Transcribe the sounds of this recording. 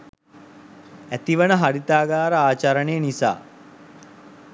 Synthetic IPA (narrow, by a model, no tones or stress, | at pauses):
æt̪iʋənəɦaɾit̪aːɡaːɾəaːt͡ʃaɾənejənisa̰ː